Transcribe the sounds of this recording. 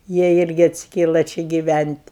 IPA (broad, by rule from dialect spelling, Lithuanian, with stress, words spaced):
ˈjiɛ ˈɪrʲɡʲɪ ɐtʲsʲɪˈkʲeːlˠɐ ˈt͡ʃʲɪ ɡʲɪˈʋʲænʲtʲ